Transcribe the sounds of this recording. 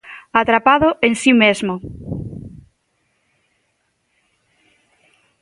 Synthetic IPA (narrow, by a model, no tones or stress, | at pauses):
at̪ɾapaðʊʔensimezmo